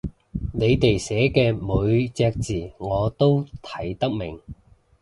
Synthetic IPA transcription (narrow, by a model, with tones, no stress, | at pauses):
ne˨˧jt̪e˨jsɛː˨˥kɛː˧mu˨˧ɥt͡sɛː˧k̚t͡siː˨˩ŋɔː˨˧t̪o˥wt̪ʰɐ˨˥jt̪ɐ˥k̚mɪ˨˩ŋ